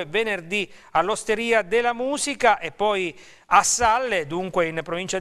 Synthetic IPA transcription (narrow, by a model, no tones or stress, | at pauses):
evenerd̪ialːost̪eɾiːad̪elːamuːzikaʔepːɔj | asːalːed̪uŋkweinpːɾovint͡ʃa